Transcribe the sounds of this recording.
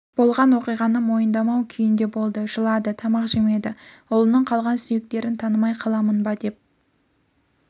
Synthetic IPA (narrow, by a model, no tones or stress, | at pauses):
b̥o̞lˠʁɑnwo̞qijʁɑnəmo̞jənd̪ɑmɑwkʲʰʏjɪnd̪e̞bo̞lˠd̪əʒəlˠɑd̪ət̪ʰɑmɑqʒeme̞d̪ɪʊlˠənəɴqʰɑlˠʁɑnsʏje̞k̚t̪e̞ɾɪnt̪ʰɑnəmɑjqʰɑlˠɑmənbɑd̪e̞p̚